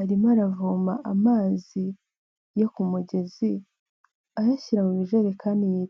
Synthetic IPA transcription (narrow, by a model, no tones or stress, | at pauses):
aɾimaɾavuːmaʔamaːzi | jo̞kumuɟe̞zi | ajaçiɾamuβiʒeɾekʰaːndiji